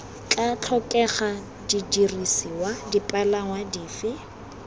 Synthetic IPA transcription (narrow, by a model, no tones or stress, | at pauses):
kʼat͡ɬʰɔkʼɛχa | didirisiwadipʼalaŋwadiːfɪ